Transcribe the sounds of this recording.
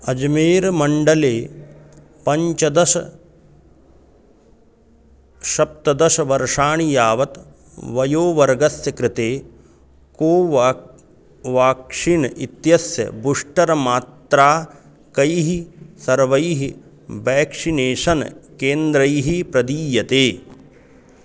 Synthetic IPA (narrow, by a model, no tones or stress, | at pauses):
ɐd͡ʒmeːɾmɐɳɖɐleː | pɐɲt͡ʃɐd̪ɐʃɐ | ʃɐp̚t̪ɐd̪ɐʃɐʋɐɾʂaːɳijaːʋɐt̪ | ʋɐjoːʋɐɾɡɐsjɐkɾɪt̪eː | koːʋ | ʋaːkʂinit̪jɐsjɐ̰buʂʈɐɾɐmaːt̪ɾaː | kɐjɦisɐɾʋɐjɦi | ʋɛːkʂineːʂɐnɐkeːnd̪ɾɐjɦipɾɐd̪iːjɐt̪eː